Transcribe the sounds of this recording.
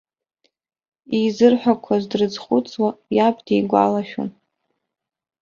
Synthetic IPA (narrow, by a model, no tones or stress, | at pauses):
izɨrħʷᶣakʷʰazdrɨd͡zχʷʊt͡sʼwajapʰʼdiɡʷa̰laʃᶣo̰n